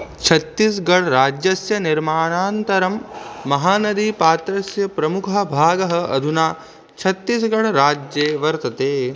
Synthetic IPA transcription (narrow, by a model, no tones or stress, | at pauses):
t͡ʃʰɐt̪ːis̬ɡɐɽɾaːd͡ʒjɐsjɐnɪɾmaːɳ̃aːnt̪ɐɾɐmːɐɦaːnɐd̪ipaːt̪ɾɐsjɐpɾɐmukʰɐ̆bʱaːɡɐɦɐ̆ɐ̰d̪ʱunaː | t͡ʃʰɐt̪ːisɡɐɽɾaːd͡ʒjeːʋɐɾt̪ɐt̪eː